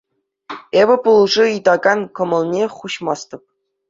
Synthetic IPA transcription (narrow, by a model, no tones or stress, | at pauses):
ebʲɘ̆pulˠʐɤid̪ɑɡɑnkɤ̆mɤ̆lˠnʲeχuɕmɑst̪ɤ̆p̚